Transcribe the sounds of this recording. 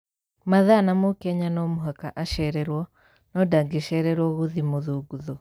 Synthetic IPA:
maðanamokɛɲanɔmoɦakaʔaʃɛɾɛɾwɔ | nɔdaɡeʃɛɾɛɾwɔɣuðimoðuɡuðɔ

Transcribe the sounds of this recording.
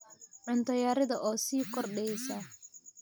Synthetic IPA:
ʕʊnt̪ʰɐjaːɾɪðɐʔɔːsiːkʰɔrɗɛsɐ

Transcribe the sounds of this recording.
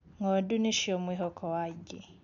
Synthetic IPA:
ŋɔdunɪʃiɔmwiɦɔkʰɔwaɟɪ̰

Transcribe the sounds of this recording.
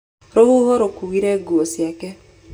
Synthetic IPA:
ɾohuhoɾokuwiɾɛɡuosjakɛ

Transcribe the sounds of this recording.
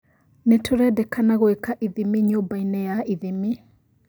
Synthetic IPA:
netʰoɾɛdɛkanaɣoekaʔiðimiɲombainɛjaiðimi

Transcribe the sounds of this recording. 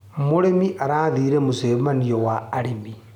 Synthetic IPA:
muɾemiʔaɾaːðiːɾemuzemanijowaːɾimi

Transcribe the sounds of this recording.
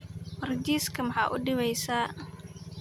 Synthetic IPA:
mərd͡ʒiskəmhaʔṵdiwajsa

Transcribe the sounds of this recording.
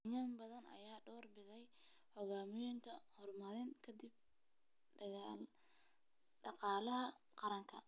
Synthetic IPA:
jaːmbɐðɐnɐ̰jaːɖɔːrbɪðɛj | hɔɣaːmɪjɪŋkʰɐhɔrmɐɾɪŋkʰɐd̪ɪb̚ | ɖɑqɑːlɐɦɐ | qɑɾɐŋkʰɐ̰

